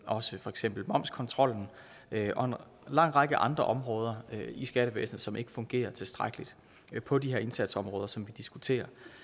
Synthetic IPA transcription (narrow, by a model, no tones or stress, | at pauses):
ʔɒ̽səfɒ̽eɡ̥sem̰b̥l̩mɒ̽m̰skʰɒ̽nt͡sʰʁɒ̽l̰n̩ | ʔɒ̽e̝n | lɑ̈ŋ̰ʁɑ̈ɡ̥əʔɑ̈nd̥ʁɐʔɒ̽mʁɔːð̞ˠɐisɡ̥æɾ̥əʋḛːsnð̩ˠsɒ̽me̝ɡ̥ə̥fɔ̽ŋɡ̥e̝̰ːɐt͡sʰe̝sd̥ʁaɡ̥əlid̥ | pʰɒ̽diheɐe̝nsæd̥sɒ̽mʁɔːð̞ˠɐsɒ̽mʋid̥isɡ̥ut͡sʰe̝̰ːɐ